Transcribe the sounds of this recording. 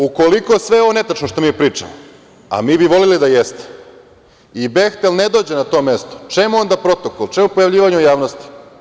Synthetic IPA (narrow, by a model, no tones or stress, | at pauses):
uko̞liko̞sʋeo̞ʋone̞t̪at͡ʃnoʃt̪o̞miepɾiːt͡ʂa̰mo | a̰miːbiʋo̞lilid̪ajest̪e̥ | ibext̪elned̪oːd͡ʑe̞nat̪o̞ːme̞st̪ot͡ʃemuo̞nd̪apɾo̞t̪o̞kolt͡ʃe̞mupojaʋʎiːʋaɲɛujaːʋnost̪i̥